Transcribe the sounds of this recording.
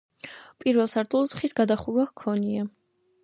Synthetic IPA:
pʼiɾvɛlˠsaɾt̪ʰulˠzχisɡad̪aχuɾwakʰɔnia

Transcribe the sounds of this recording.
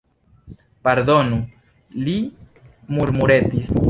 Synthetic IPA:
paɾd̪o̞nu | li | muɾmuɾetis

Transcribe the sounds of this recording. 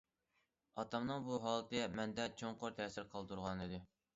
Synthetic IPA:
ɑt̪ɑmnɨŋbuɦɑːlˠt̪ɨmɛnd̪ɛt͡ʃʰoŋqoɾt̪ʰɛsɪɾqʰɑlˠt̪uɾʁɑnid̪ɪ

